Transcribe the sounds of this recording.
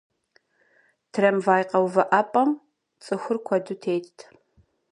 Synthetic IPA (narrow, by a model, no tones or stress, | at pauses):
tʰrɐmvaːjqɐwvɐʔɐpʼɐm | t͡sʼɨxʷʊrkʷʰɐdutʰeːtʰtʰ